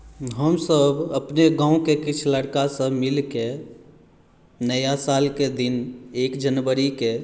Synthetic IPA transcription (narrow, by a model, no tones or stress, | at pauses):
ɦəmsəbəpneɡãːũkekɪt͡ʃʰləɽkasəmɪlke | nəjasaːlked̪ineːkd͡ʒənwəɾike